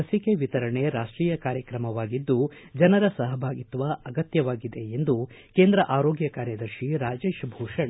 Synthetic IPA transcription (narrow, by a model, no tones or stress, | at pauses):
ɐsikeʋit̪ɐɾɐɳeɾaːʂʈɾiːjɐkaːɾjɐkɾɐmɐʋaːɡid̪ːu | d͡ʒɐnɐɾɐsɐɦɐbʱaːɡit̪ʋɐɐɡɐt̪jɐʋaːɡid̪e̞end̪u | keːnd̪ɾɐʔaːɾoːɡjɐkaːɾjɐd̪ɐɾʃiɾaːd͡ʒeːʃbʱuːʂɐɳ